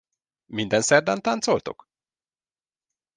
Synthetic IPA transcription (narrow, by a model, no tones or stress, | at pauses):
mind̪ɛnsɛrd̪ant̪ant̪solt̪o̰k